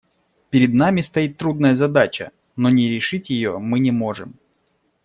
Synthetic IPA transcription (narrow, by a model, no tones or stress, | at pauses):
pʲɪɾʲɪd̪namʲɪst̪ɐjit̪ːɾud̪nəjəzɐd̪at͡ɕə̰ | nonʲɪɾʲɪʂɨtʲjɪjo̞̰mɨnʲɪmo̞ʐɨm